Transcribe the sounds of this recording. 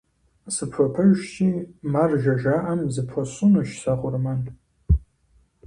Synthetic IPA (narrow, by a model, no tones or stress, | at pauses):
sɨpʰʷapʰɨʒʂtʰimarʒaʒaʔamzɨpʰʷaɕʊnɨʃsaχʷʊrman